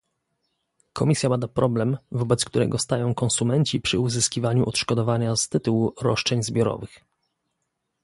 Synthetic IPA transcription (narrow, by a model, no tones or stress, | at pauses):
kɔmʲisʲjabad̪apɾʔɔblɛmvɔbɛt̪skt̪uɾɛ̰ɡɔst̪ajɔ̃w̃kɔnsumɛɲt͡ɕipʂɘuzɘskʲivaɲuʔɔt̪ʂkɔd̪ɔvaɲast̪ɘt̪uwuɾɔ̰ʂt͡ʂɛɲzbʲjɔɾɔ̰vɘx